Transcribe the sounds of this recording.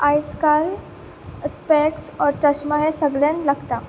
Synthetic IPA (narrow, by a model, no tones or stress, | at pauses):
ajskal | speksɔɾʈəɕmaɦẽsəɡljãnlaɡt̪a